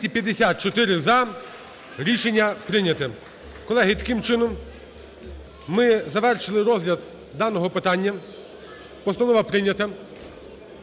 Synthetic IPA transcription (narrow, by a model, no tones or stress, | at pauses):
tʲipʲjɐd̪ːesʲat̪̚t͡ʃɔt̪ɪɾɪzɐ | ɾʲiʃenʲːɐpɾɪnʲɐt̪ɪ | kɔlˠɛɦɪt̪ɐ̥kɪmt͡ʃɪnɔm | mɪzɐʋɛrʃɪlˠɪɾɔzlʲɐd̪ | d̪ɑnɔɦɔpɪt̪ɑnʲːɐ | pɔst̪ɐnɔʋɐpɾɪnʲɐt̪ɐ